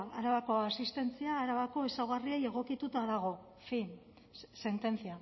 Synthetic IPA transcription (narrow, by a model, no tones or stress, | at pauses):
aɾaβako̞asist̪e̞nt͡siaːɾaβako̞esawɣarieje̞ɣ̞o̞kit̪ut̪aðaɣ̞o̞ | fin | se̞nt̪e̞nt͡sia